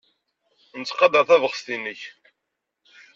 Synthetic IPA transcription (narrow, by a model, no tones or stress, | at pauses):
nət͡sːqːɑd̪əɾθævəʁst̪inːəç